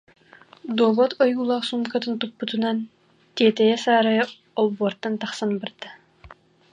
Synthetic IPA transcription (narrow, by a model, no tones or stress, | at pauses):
d̪oːbɔt̪ʰɔjuːlˠɑχsuŋkat̪ɯnt̪upːut̪unan | t̪ʲeːt̪ɛjɛsaːɾajɯ | ɔlˠbɔːɾt̪ːant̪aχsanbɯɾd̪ɯ